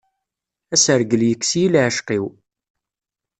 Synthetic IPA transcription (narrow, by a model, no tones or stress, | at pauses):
æsəɾɡəljəkːsjilʕəʃqiw